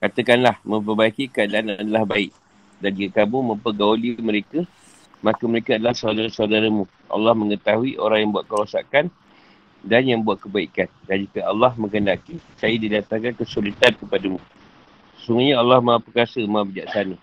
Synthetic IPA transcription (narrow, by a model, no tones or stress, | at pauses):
kat̪əkanlahmə̃mp̬ərbaikikəadaʔanaadalahbaɪʔ̚ | dand͡ʒiɡakamumə̃mpəɡauliməɾekə | makəməɾekaadalahsawdaɾasaudaɾamũ | ʔɑ̰lːɑhmə̃ŋət̪aɦuiʔoɾaŋjaŋmbuat̪̚kəɾosa̰kan | danjaŋmbuwat̪̚kəbaikandand͡ʒukəʔalːɑhmə̃ŋəndakisajədilat̪akankəsulit̪ankəpadəmũ | səsuŋɡuɲaalːɑhmãupərkasəmabəd͡ʒaksana